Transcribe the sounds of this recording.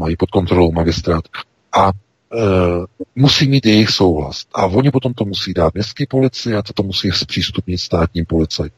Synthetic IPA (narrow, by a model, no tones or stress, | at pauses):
majipo̞t̪̚ko̞nt̪ɾolowmaɡɪst̪ɾaːt̪ | ʔa | musiːmiːt̪jɛjɪxso̞wɦla̰sʔavo̞ɲɪpo̞t̪o̞mt̪o̞musiːdaːt̪̚mɲɛst̪kiːpo̞lɪt͡sɪat̪ot̪o̞musiːspr̥iːst̪upɲɪt̪st̪aːt̪ɲiːmpo̞lɪt͡saj